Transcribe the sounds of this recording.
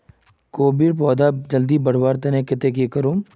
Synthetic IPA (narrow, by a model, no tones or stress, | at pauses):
koːbiɾp̬ɔːd̪ad͡ʒɐld̪iːbɐɽ̤waːɾt̪ɐnẽkɪt̪ek̬eːkɐɾuːm